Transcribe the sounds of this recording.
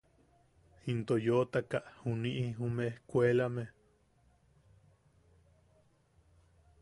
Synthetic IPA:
hint̪ojot̪akaʔhuniʔiɦumeehkʷwelame

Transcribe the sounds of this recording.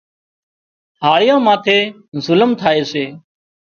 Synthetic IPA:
ɦaːɭɪjãːmaːt̪ʰeː | zʊləmt̪ʰaːeːseː

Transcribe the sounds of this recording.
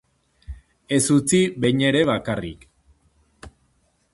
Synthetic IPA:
e̞sut͡siβe̞ɲe̞ɾe̞βakarḭk

